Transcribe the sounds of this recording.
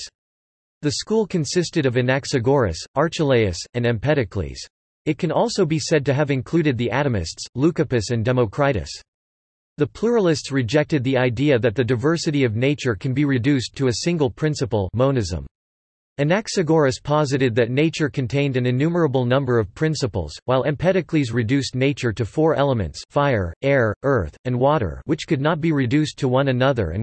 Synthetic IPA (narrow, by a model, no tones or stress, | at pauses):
ðɨskulˠkʰɨ̃nsɪstɨɾʌvɨnæksɨɡɔɹɨ̰sʔɑɹt͡ʃɨleɪɨsɨ̃nɨ̃mpʰɛɾɨkʰlḭz̥ | ɨt̚kʰɨ̃nɔlˠsoʊbisɛd̚tɨɨvɨ̃nkʰl̥ʉɾɨd̪̚ðiʔæɾɨmɨ̰stslʉkɨpɨsɨ̃ndɛmoʊkʰɹ̥aɪɾɨ̰s | ðɨpʰl̥uɹl̩ˠɨstsɹɨd͡ʒɛk̚tɨd̪̚ðiaɪdiɨðɨt̪̚ðɨdaɪvɜ˞sɨɾiʌvneɪt͡ʃə˞kʰn̩biɹɨdʉstʰɨɨsɪ̃ŋɡl̩ˠpʰɹ̥ɪ̃nsɨpl̩ˠmõʊ̃nɨzə̰̃m | ɨ̃nɛksɨɡɔɹɨspʰɑzɨɾɨd̪̚ðɨtⁿneɪt͡ʃə˞kʰɨ̃ntʰẽɪ̃ndɨ̃nɨ̃nʉmə˞əbl̩ˠnʌ̃mbə˞ʌv̥pʰɹ̥ɪ̃nsəpl̩ˠz̥waɪlˠɨ̃mpʰɛɾɨklizɹɨdʉsneɪt͡ʃə˞ɾɨfɔɹʔɛlˠəmɨ̰̃ntsfaɪə˞ɛɹʔɜ˞θɨ̃nwɔɾə̰˞wɨt͡ʃkʰɨdⁿnət̚b̥iɹɨdʉstʰəwʌ̃nɨnʌðə̰˞ɨ̰̃n